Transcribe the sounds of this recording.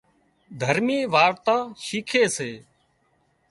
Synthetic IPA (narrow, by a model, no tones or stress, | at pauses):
d̪ʱəɾmiːʋaːɾt̪ãːʃiːkʰeːseː